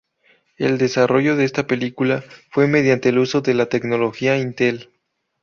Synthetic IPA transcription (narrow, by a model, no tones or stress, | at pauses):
e̞̰ld̪e̞sarʔo̞ʝo̞ðeest̪ape̞likulafwe̞me̞ð̞jant̪e̞ːluso̞ðe̞lat̪e̞kno̞lo̞xiaint̪e̞l